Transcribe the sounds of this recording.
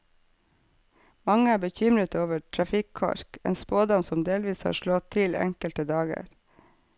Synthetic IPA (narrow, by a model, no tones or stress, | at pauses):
mɑŋəæːbəçʏmɾət̪oːʋəʈʰɹɑfɪkʰɑ̰ɾkḛːnspoːd̪ɑmsɔmd̪eːlʋiːshɑ̰ːʃlɔt̪ʰɪlɛ̰ŋkəlt̪əd̪ɑːɡə̰ɾ